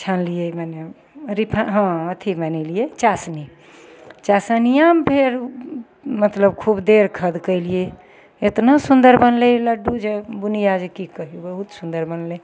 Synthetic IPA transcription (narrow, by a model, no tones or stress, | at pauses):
t͡ʃʰanlijemane | ɾipʰaɦə̃ət̪ʰimanelijet͡ʃasni | t͡ʃasənijapʰeɾ | mət̪ləbkʰubd̪eɾkʰəd̪kəjlije | et̪nasund̪əɾbənleləɖud͡ʒebunijad͡ʒekikəɦubəɦut̪sund̪əɾbənle